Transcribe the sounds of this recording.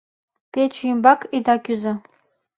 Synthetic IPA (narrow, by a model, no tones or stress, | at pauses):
pʰet͡ʃʰjimbakʰʼidakʲʰʼʊza